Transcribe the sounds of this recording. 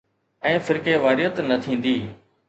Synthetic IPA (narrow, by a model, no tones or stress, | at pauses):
ɛ̃ːfɪɾkeːʋaːɾɪjət̪nət̪ʰĩːn̆d̪iː